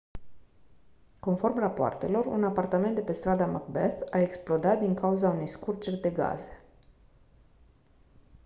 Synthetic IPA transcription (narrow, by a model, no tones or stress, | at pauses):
ko̞nfo̞rmrapoa̰rt̪e̞lo̞rṵnapart̪ament̪d̪e̞pe̞st̪ɾad̪amak̚beθae̞ksplo̞d̪at̪̚d̪iŋkauzaune̞jskurt͡ʃerʲd̪e̞ɡa̰ze̥